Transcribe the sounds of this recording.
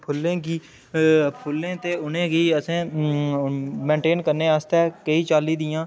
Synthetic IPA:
pʰʊlːẽːɡiː | pʰʊlːẽːt̪eːʊnẽːɡiːəsẽː | mẽːɳʈeːnkəɾneːaːst̪ɛːkəiːt͡ʃaːliːd̪ɪjãː

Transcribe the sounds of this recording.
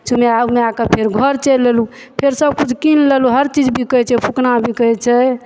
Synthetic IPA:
t͡ʃʰumeameakəpʰeɾɡʱəɾt͡ʃelːelu | pʰeɾsəb̚kut͡ʃʰkinleluɦəɾt͡ʃid͡ʒbʱikət͡ʃʰɛpʰuknabʱikət͡ʃʰɛ

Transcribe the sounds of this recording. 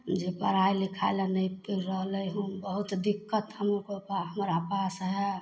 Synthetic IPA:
d͡ʒepə̰ɾajlikʰaɪlənəjpiɾɾəɦləjɦũbəɦut̪d̪ikːət̪həmokopaɦəmɾapasɦɛ

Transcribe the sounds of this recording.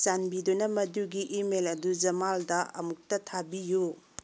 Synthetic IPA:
t͡ʃanbidunɐmɐduɡiʔimelɐdud͡ʒɐmaldɐʔɐmuk̚tɐtʰabiju

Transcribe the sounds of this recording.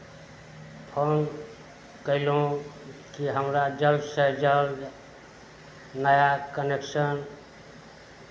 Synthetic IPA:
pʰon | kəɪlũkiɦəmɾad͡ʒəlsəd͡ʒəl | nəjakəneksən

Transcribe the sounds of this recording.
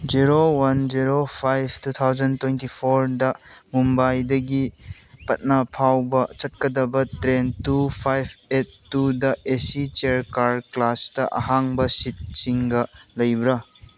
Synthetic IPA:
d͡ʒiɾowɐnd͡ʒiɾopʰajb̚ʰtut̪ʰawzɐntwejntipʰoɾdɐmumbajdɐɡi | pɐt̚napʰawbɐt͡ʃɐt̚kɐdɐbɐtɾentupʰajbʰetːudɐʔesit͡ʃeɾkaɾklastɐʔɐ̰ɦaŋbɐsit̚siŋɡɐlɐjbɾɐ

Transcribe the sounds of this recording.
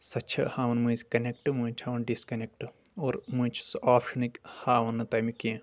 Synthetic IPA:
sɐt͡ʃʰɐ̰haːʋɐnmuzʲkɐnek̚ʈɨmũt͡ʃʰhaːʋɐnɖiskɐnek̚ʈɨ | oːɾmũt͡ʃʰsaːpʃɐnikʲhaːʋɐnɨt̪ɐmikĩ

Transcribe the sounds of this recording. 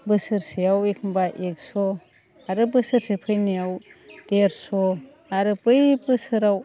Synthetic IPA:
bɯsɯɾsejawekʰɯmbaʔek̚sɔ | aɾɯbɯsɯɾsepʰɯjnijawd̥eɾsɔ | aɾɯpɯjbɯsɯɾaw

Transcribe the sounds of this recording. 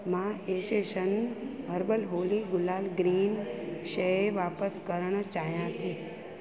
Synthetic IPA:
mãeʃeʃənɦəɾbəlɦoliɡʊlaːlɡɾiːnʃəeʋapəskəɾəɳ̃t͡ʃajãt̪ʰi

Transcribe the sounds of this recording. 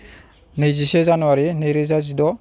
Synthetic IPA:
nɯjzisezanuwaɾinɯjɾɯzazidɔ

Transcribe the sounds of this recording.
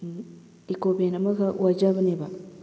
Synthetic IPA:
ikobenamakawad͡ʒabneba

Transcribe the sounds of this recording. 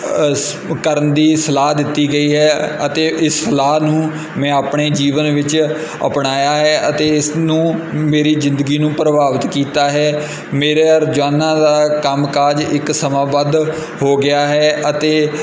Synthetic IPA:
kəɾənd̪iːsəlaːɦd̪ɪt̪ːiːɡəiːɦɛːət̪eːʔɪsːəlaːnũː | mɛ̃ːaːpɳeːd͡ʒiːʋənʋɪt͡ʃ | ə̰pɳaːjaːɦɛːʔət̪eːɪsnũːmeːɾiːzɪ̃nd̪əɡiːnũːpɾəbaːʋət̪kiːt̪aːɦɛː | meːɾeːəɾd͡ʒʋaːnãːd̪aːkəmkaːd͡ʒɪksəmãːbad̪ | hoːɡɪaːɦɛːʔət̪eː

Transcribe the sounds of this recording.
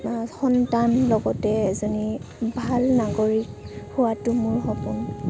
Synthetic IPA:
xɔntanlɔɡɔtɛezɔnibʱalnaɡoɹikhuwatʊmʊɹxɔpun

